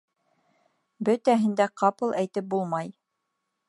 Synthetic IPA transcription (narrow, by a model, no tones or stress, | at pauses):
bɵt̪æɦɘ̆nd̪æqʰɑpɤlˠæjt̪ɘp̚bulˠmɑj